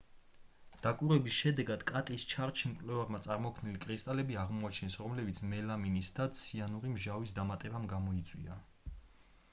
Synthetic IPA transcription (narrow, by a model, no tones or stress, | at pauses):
d̪̥akʼuɾɛbisʃɛd̪ɛɡad̪̥kʼat̪ʼist͡ʃʰaɾt͡ʃʰimkʼlɛvaɾmat̪sʼaɾmɔkʰmnilikʼɾist̪ʼalɛbiaʁmuat͡ʃʰɛnsɾɔmlɛbit̪sʰmɛlaminisd̪at̪sʰianuɾimʒavisd̪amat̪ʼɛbamɡamɔit̪sʼwḭa